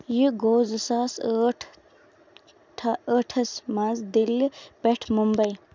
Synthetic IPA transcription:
jiɡoːzɐsaːsʈʰ | ʈʰəʈʰɐsmazd̪ilpeʈʰmumbɐj

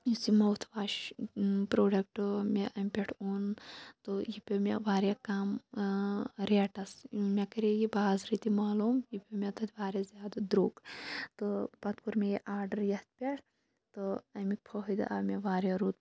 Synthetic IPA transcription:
jisimɐwt̪ʰʋaːʃ | pɾoːɖɐk̚ʈmʲeʔɐmʲpʲeʈʰoːnt̪ɨjipʲemʲḛʋaːɾjakaːm | ɾeːʈɐsmʲekɐɾejibaːzɾit̪imaːluːmjipʲemʲet̪ɐt̪ʰʲʋaːɾjazʲjaːd̪ɐd̪ɾoːɡt̪ɨpɐt̪kuɾmejiʔaːɾɖɐɾjɐht̪̚pʲeʈʰ | t̪ɨɐmik̚pʰɐɦd̪ɨ̰ʔameʋaːɾjaɾuːt̪̚

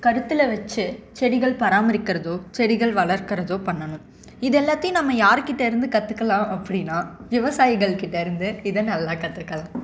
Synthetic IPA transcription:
kɐɾɯt̪ːɯlɐʋɐt͡ʃːɯt͡ʃɛɽɪɣɐɭpɐɾaːmɐɾɪkːɪɾɐðoːt͡ʃɛɽɪɣɐɭʋɐɭɐɾkɐɾɐðoːpɐɳːɐnʊ̃m | ɪðɛlːaːt̪ːɪjʊ̃nɐmːɐjaːɾkɪʈːɐɪɾɯnd̪ɯkɐt̪ːɯkːɐlãːʔɐpːɐɽɪnːaːʋɪʋɐsaːjɪɣɐɭkɪʈːɐɪɾɯnd̪ɯɪðɐnɐlːaːkɐt̪ːɯkːɐlãː

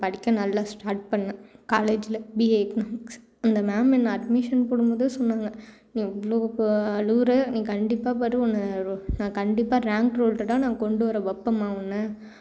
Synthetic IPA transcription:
pɐɽɪkʲːɐ̃nɐlːaːsʈaːɾʈ̚pɐɳːɐ̃kaːleːd͡ʒɪlɐbiːeːknaːmɪks | ɐnd̪ɐmaːmɛnːɐɐɖmɪʂɐnpoɽɯmbɐðɯsɔnːaːŋɡɐ | nĩːɛʋɐɭoːɐlɯʋɾɐnĩːkɐɳɖɪpːaːpɐɾɯɔnːɐɾnãːkɐɳɖɪpːaːɾaːŋkɾoːlʈɐʈːãːnãːkɔɳɖɯʋɐɾɐʋɐpːɐmaːʋʊnːɐ

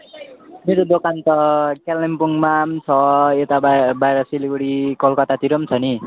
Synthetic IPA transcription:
meɾod̪okant̪ʌkelnempuŋmamt͡sʰʌet̪abajɾʌsiliɡuɽikʌlkʌt̪at̪iɾʌmt͡sʰʌni

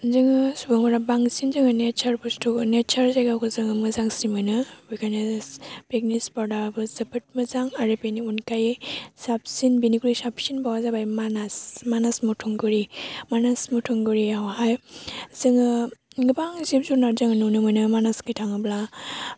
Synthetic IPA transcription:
zɯŋɯsubaŋɔɾabaŋsinzɯŋɯnet͡ʃʰaɾbustunet͡ʃʰaɾzajɡawkʰɯzɯŋɯmɯzaŋsimɯnɯwikanespek̚nispaɾdaɾbɯzɯpʰɯt̚mɯzaŋaɾepeniunkajsap̚sinbinikɾisapsinbawazabajmanasmanasmutʰuŋɡɯɾimanasmutʰuŋɡɯɾiaɔhajz̥ɯŋɯɡɯbaŋzip̚zunaɾzaŋanunɯmɯnɯmanaskijtʰaŋɯbla

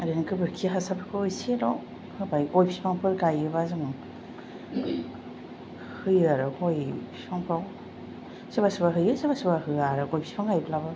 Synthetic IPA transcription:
ɾenkʰɯbɯɾkʰiɦasapɯkʰɯɯjselɔ | hɯbajkojpʰi̥spʰaŋpʰɯɾɡajɯbazɯŋaŋ | hɯjaɾɯkojpʰi̥spʰaŋpʰɾaw | sebasɯbaɦɯjɯsebasɯbahɯaɾɯkojpʰi̥spʰaŋajbʰlabɯ

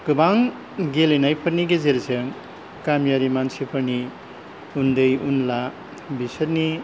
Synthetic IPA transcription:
kɯbaŋ | ɡelenajpʰɯɾniɡezeɾzeŋ | kamjaɾimansʰipʰəɾni | und̪ɯjunla | bisɐɾni

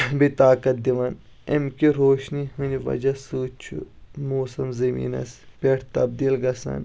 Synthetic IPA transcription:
bit̪aːkɐt̪̚d̪iʋɐn | ḛmkiɾoːʃniɦɨniʋɐ̰d͡ʒɐsuːt͡ʃʰṵmoːsɐmzɐmḭːnɐ̰spʲeʈʰt̪ɐb̚d̪iːlɡɐsɐ̰n

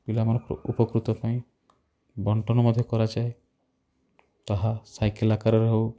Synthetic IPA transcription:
pilamɔnɔkɔɾɔ̰ʔupɔkɾut̪ɔpaĩ | bɔɳʈɔnɔmɔd̪ʱjɔkɔɾad͡ʒae | t̪aɦasajkelakaɾɔɾɦew

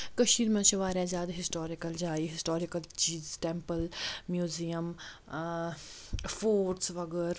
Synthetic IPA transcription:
kɐʃiːɾmãt͡ʃʰɐʋaːɾazaːd̪ɦɪsʈoːɾɪkɐld͡ʒaːiɦɪsʈoːɾɪkɐlt͡ʃiːzʈẽmpəlmjuːzijəm | foːɾsʋɐɡəɾ

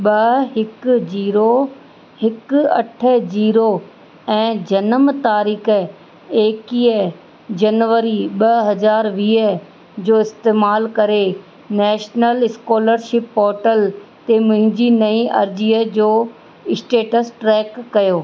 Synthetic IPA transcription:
ɓɐɦɪkd͡ʑiːɾo | hɪkɐ̰ʈʰəd͡ʑiːɾo | ɛ̃ːd͡ʑɐnəmt̪aːɾiːkʰə | eːkiːə | d͡ʑɐnʋəɾiɓɐɦɐzaːɾʋiːə | d͡ʑoːɪst̪eːmaːlkɐɾe | nɛːʃnəlɪskɔːləɾʃɪpːɔːɾʈəlt̪emʊ̃ɦɪ̃ɲd͡ʑinɐĩʔɐ̰ɾd͡ʑiːəd͡ʑoː | ɪsʈeːʈəsʈɾɛːkːɐjoː

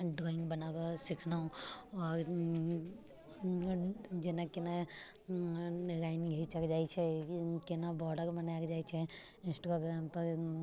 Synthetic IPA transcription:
ɖɾɔːɪ̃ŋɡbɐnaːbasɪkʰnãɔːɾ | d͡ʒenakena | ɾaːɪnɡʱɐit͡ʃɐkd͡ʒaːt͡ʃʰɛkenabɔɖəɾbɐnajkd͡ʒaːjt͡ʃʰɛ | ɪ̃nsʈɾoɡɾaːmpɐɾ

